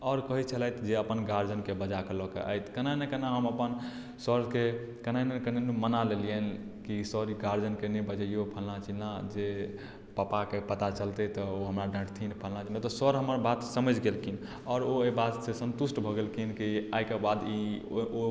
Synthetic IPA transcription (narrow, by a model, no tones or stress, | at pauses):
ɔɾkəɦit͡ʃʰəlajt̪d͡ʒeəpənɡaɾd͡ʒənkebəd͡ʒakəlɔkḛʔə̰jt̪kənanɛkənaɦəməpən | səɾke | kənanəkənenumənalelijən | kisɔɾiɡaɾd͡ʒənkenebəd͡ʒəijopʰəlnat͡ʃʰilad͡ʒe | papakepət̪at͡ʃəlt̪et̪ɔoɦəmɾaɖə̃ʈt̪ʰinpʰəlnat͡ʃʰinat̪ɔsɔɾɦəməɾbat̪səməd͡ʒɡelkʰin | ɔːɾoebat̪sesə̃nt̪usʈbʱɔɡelkʰinkiajkebad̪io